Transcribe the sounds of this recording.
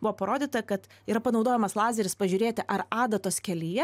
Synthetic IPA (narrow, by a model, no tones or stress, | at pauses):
bʊʋoːpɐɾoːd̪ʲiːt̪ɐkɐt̪iːɾɐpɐnɒʊd̪oːjɛmɐslˠɑːzʲɛɾʲɪspɐʒʲuːɾʲeːt̪ʲɪʔɐɾɑːd̪ɐt̪oːskʲɛlʲijɛ